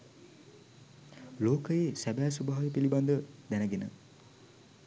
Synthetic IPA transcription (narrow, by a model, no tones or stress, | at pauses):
loːkəjesæbæːsubaɦajepiliband̪əd̪ænəɡenə̰